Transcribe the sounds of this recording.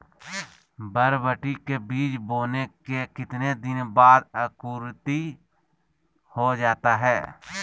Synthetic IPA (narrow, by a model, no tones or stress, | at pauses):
bəɾbəʈikebiːt͡ʃboːnekekɪt̪ned̪ɪnbaːd̪əkuːɾt̪i | hod͡ʒaːt̪aɦɛː